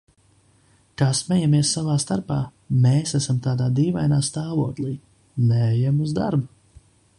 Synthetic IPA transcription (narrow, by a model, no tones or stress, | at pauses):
kasmʲɛjamiɛsːavaːst̪aɾpaː | meːsæsamt̪aːd̪aːd̪iːvajnaːst̪aːvoɔklˠiː | nɛɛjamuzd̪a̰ɾbu